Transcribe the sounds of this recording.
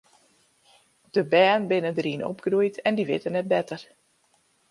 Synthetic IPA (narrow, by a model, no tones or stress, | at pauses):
d̥əbɛːnbɪnədərinɔ̰pɡrujtɛndiʋɪ̰tənɛt̚bɛtər